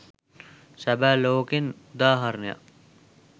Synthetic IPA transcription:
sæbæːloːkenud̪aːɦaɾnəja̰

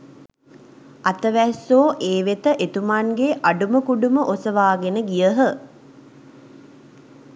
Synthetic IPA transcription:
at̪əʋæsoːʔeːʋet̪əʔet̪umaŋɡeʔaɖuməkuɖuməʔosəʋaːɡenəɡijəɦə

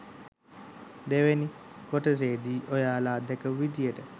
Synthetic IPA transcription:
d̪eʋenikoʈəs̬eːd̪iːʔojaːlaːd̪ɛkəʋid̪ijəʈə

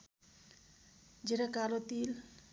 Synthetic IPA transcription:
d͡ʒeɾakalot̪il

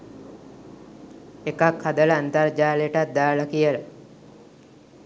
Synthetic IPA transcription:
ekakhad̪ələant̪ard͡ʒaːləjəʈat̪̚d̪aːləkijələ

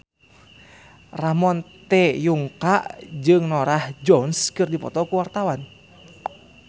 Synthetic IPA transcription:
ramɔnt̪ɛjuŋkaʔd͡ʒɨŋnɔɾahd͡ʒɔnskɨrdipɔ̰t̪ɔkuwart̪awan

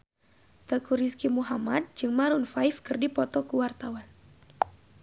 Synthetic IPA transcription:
t̪əkuɾiskimuɦamad̪̚d͡ʒɨŋmaɾunfaifkɨrdipɔt̪ɔkuwart̪awan

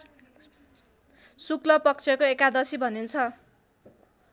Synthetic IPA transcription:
suklʌpʌk̚t͡sʰjʌkoekad̪ʌsibʱʌnint͡sʰʌ

